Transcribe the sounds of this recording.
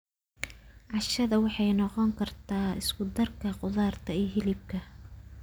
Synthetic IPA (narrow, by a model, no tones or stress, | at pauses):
ʕɑʃɐðɐwɑħɑjnɑqɔŋkʰɐrt̪ʰaːɪskʰʊd̪ɐrkʰɐqʊðaːrt̪ʰɐijɦɪlɪb̚kʰɐ